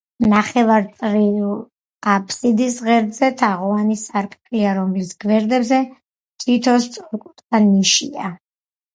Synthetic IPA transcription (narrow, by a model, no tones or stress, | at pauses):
naχɛvaɾt̪ʼɾi | qʼapʰʼsid̪isʁɛɾd̪zɛt̪ʰaʁɔanisaɾkʼpʰʼiaɾɔmlisɡ̥vɛɾd̪ɛbzɛ | t̪ʰit̪ʰɔst̪sʼɔɾkʼut̪ʼχaniʃḭa